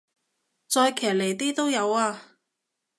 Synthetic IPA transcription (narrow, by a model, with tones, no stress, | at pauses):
t͡sɔː˧jkʰɛː˨˩le˨˩jt̪iː˥t̪o˥wjɐ˨˧waː˧